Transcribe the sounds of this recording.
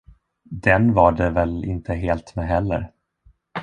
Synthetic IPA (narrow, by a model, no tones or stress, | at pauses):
d̪ɛnvaɖɛvɛlɪ̰nt̪ʰəɦeːlt̪mɛɦɛlːə̰ɾ